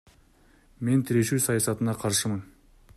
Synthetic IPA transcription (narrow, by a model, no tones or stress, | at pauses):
me̞nt̪ʰɪɾe̞ʃusɑjɑsɑt̪ənɑqʰɑɾʃəmən